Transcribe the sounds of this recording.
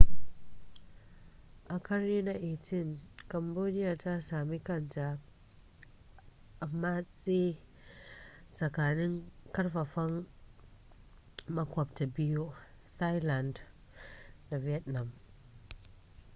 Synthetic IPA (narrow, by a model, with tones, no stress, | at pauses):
ʔa˨ka˦ɾːi˦na˨ʔe˨ti˦˨nka˨mbo˦ni˦ja˨ta˦sa˨mi˦ka˦˨nd͡ʒa˨ | ʔːmːa˦t͡si˦ | sa˨ka˨ni˦ŋka˦ɾfa˨fa˦ŋ | ma˦kwa˨p̚ta˨bi˦jo˦ | ta˦jla˨nd | na˨vi˨ɛ˦tna˨m